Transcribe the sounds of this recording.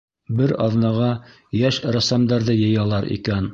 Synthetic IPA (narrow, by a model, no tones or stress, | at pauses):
bɘɾɑ̰ðnɑʁɑ | jæʃɾɑsɑmd̪ɑɾðɘjɤ̆jɑlˠɑɾḭkæn